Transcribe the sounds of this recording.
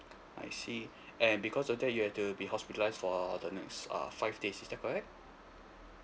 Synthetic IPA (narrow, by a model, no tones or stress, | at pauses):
a̰ɪsi | ɛ̃nbikʰɔsɔfdɛt̚juhɛftubihɔspitəlaɪsfɔdənɛ̰ksʌ̰faɪfdesisdɛt̚kʰɔɹɛk̚t̚